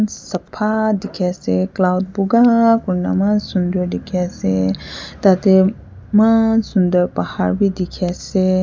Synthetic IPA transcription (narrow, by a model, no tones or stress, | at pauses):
nsɐpʰad̪ikʰeseklawd̚buɡakuɾna̰masund̪əɾd̪ikʰaset̪at̪e | masund̪əɾpahaɾbʱid̪ikʰase